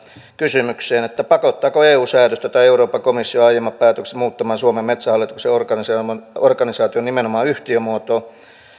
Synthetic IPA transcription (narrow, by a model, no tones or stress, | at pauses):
kysymykseːnet̪ːæpɑkot̪ːɑːkoeːuːsæːrøst̪æt̪ɑieuroːpɑkomisːioɑijemːɑppæːt̪øksetmuːt̪ːɑmɑːnsuomemmet̪sæhɑlːˑit̪u̥kseorkɑnisɑorkɑnisɑːt̪ionimenomɑːyht̪iømuot̪o